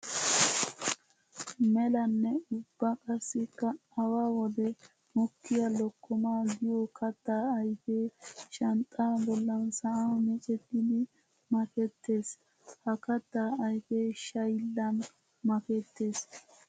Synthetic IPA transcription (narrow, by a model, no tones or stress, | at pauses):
mɛlɐnːɛʊbːɐkʼɐsːɪkːɐɐwaːwɔd̪ɛ | mɔkːɪjɐlɔkːɔmaːɡɪjɔkɐt̪ːaːɐjfeːʃɐnt̪ʼaːbɔlːɐnsɐʔamɛt͡ʃʼɛt̪ːɪd̪ɪ | mɐkɛt̪ːe̞ːs | hɐkɐt̪ːaːɐjfeʃɐjlːɐn | mɐkɛt̪ːe̞ːs